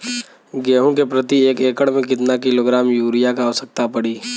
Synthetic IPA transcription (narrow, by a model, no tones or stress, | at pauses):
ɡeːɦõkepɾɐt̪ieːkeːkəɽmẽk̬ɪt̪nakɪloɡɾaːmjuːɾijakaːʋsək̚t̪apɐɽiː